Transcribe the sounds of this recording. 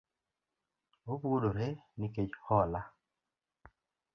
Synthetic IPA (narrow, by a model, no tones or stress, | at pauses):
obodoɾeniket͡ʃhɔla